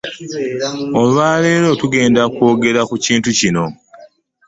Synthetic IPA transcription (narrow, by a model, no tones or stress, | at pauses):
olwaːle̞ːɾo̞ːtuɡe̞ːndakwo̞ːɡe̞ɾakuciːntucino̞